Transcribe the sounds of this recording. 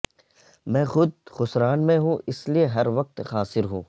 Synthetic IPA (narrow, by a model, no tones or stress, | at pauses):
mɛ̃ːxʊd̪̚xʊsɾaːnmẽɦũːɪslieɦɐɾʋɐq̚t̪xaːsɪɾɦṵ̃ː